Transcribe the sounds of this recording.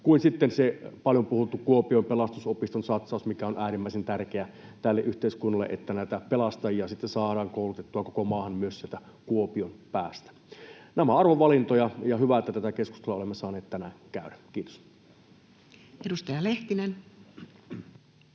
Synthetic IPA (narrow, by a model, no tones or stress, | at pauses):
kuinsit̪ːensepɑljompuhut̪ːukuopiompelɑst̪usopist̪onsɑt̪sɑˑusmikæonʔæːrimːæˑisent̪ærkeæt̪ælːeʔyht̪eˑiskunːɑlːḛʔet̪ːænæˑit̪æpelɑst̪ɑjiɑsit̪ːesɑːɾɑːŋkoˑulut̪et̪ːuɑkokomɑːhɑnmyøssielt̪æ | kuopionpæːst̪æ̥ | næmæɑrʋoʋʋɑlint̪ojɑjɑhyʋæet̪ːˑæt̪æt̪ækesku̥st̪elːɑolemːesɑːneːt̪t̪ænæŋkæˑødækiːt̪o̥s | edust̪ɑjɑleht̪inen